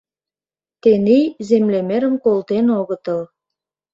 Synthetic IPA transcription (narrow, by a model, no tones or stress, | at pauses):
t̪enijzemlemeɾə̆mkolt̪enoɣə̆t̪ə̆l